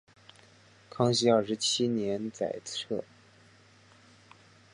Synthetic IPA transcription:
kʰɑ˥ŋɕ̬i˥jɑ˥˩ʊʂɻ̩˧˥t͡ɕʰi˥njɛ˧˥nt͡sa̰˨˩ɪt͡sʰɤ˥˩

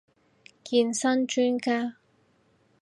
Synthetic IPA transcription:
kiː˧nsɐ˥nt͡ʃyː˥nkaː˥

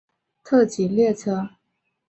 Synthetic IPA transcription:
t̪ʰɤ˥˩t͡ɕi˨˩ljɛ˥˩t͡sʰɤ˥

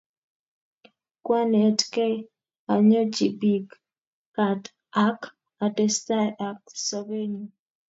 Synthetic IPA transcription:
kwa˦ne˨tke˦ | a˨ɲɔ˦d͡ʒi˨bi˨kː | a˨t | a˦k | a˨tɛ˦sta˦a˨k̚sɔ˨ve˦ɲi˨

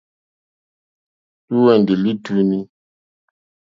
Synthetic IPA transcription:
tu˦wɛ˨n˨di˨li˦tu˦ni˦

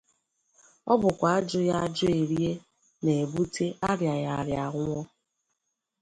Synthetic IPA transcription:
ɔ̰˦bʊ˨kʷa˨a˦d͡ʒʊ˦ja˦a˦d͡ʒʊ˦e˨ɾi˦e˦ | ne˨e˨bu˦tʰe˦a˦ɾja˨ja˨ɾja˨ɣʊ˦ŋʷɔ˦

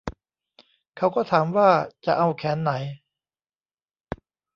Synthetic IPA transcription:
kʰa˦˥wkɔː˥˩t̪ʰaː˩˦mwaː˥˩t͡ɕa̰˨ʔa˧wkʰɛː˩˦nːa˩˦j

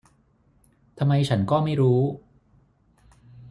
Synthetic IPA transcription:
t̪ʰa˧mːa˧jt͡ɕʰa˦˥nkɔː˥˩ma˥˩jɾuː˦˥

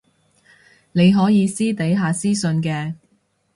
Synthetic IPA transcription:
ne˨˧jɦɔː˨˥jiː˨˧siː˥t̪e˨˥jɦaː˨˧siː˥sɵ˧nkɛː˧

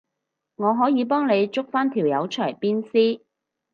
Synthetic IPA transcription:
ŋɔː˨˧ɦɔː˨˥jiː˨˧p̬ɔː˥ŋne˨˧jt͡sʊ˥k̚faː˥nt̪ʰiː˨˩wjɐ˨˧wt͡ʃʰœː˨˩jpiː˥nsiː˥

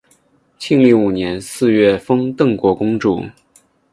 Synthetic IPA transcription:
t͡ɕʰi˥˧ŋli˥˩u˨˩njɛ˧˥nsɹ̩˥˧ɥɛ˥˩fɤ˥ŋt̪ɤ˥˩ŋkwɔ˧˥kʊ˥ŋʈ͡ʂṵ˥˩

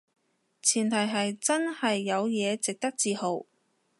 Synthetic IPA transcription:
t͡sʰiː˨˩nt̪ʰɐ˨˩jɦɐ˨jt͡sɐ˥nhɐ˨jːɐ˨˧wjɛː˨˧t͡sɪ˨k̚t̪ɐ˥k̚t͡siː˧ho˨w

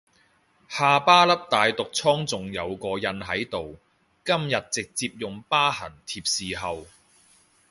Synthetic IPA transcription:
haː˨˧paː˥lɐ˥p̚t̪aː˨jt̪ʊ˨k̚t͡sʰɔː˥ŋt͡sʊ˨ŋjɐ˨˧wkɔː˧jɐ˧nɦɐ˨˥jt̪o˨w | kɐ˥mjɐ˨t̚t͡sɪ˨k̚t͡siː˧p̚jʊ˨ŋpaː˥hɐ̰˨˩nt̪ʰiː˧p̚siː˨ɦɐ˨w

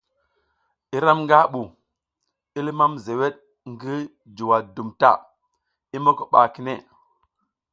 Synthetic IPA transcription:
i˦ɾa˦mŋɡa˦ɓu˨ | i˦li˦ma˦mze˨we˦ɗ̚ | ŋɡi˦ | d͡ʒu˨wa˨du˨mta̰˦˨ | i˦mo˦ko˨ɓa˨ki˨ne˦˨

